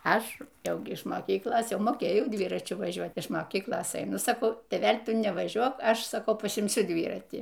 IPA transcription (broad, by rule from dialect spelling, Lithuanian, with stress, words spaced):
ˈɐʃ ˈjɛʊ ɡʲɪ ɪʃ moːˈkʲiːklˠoːs ˈjɛʊ moːˈkʲeːjɛʊ ˈdʲʋʲiːrɐt͡ʃʲʊ ʋɐˈʒʲuɔt ɪʃ moːˈkʲiːklˠoːs ɛɪˈnʊ sɐˈkɐʊ tʲeːˈʋʲɛlʲ ˈtʊ nʲɛʋɐˈʒʲuɔk ˈɐʃ sɐˈkɐʊ pɐsʲɪmʲˈsʲʊ ˈdʲʋʲiːrɐtʲiː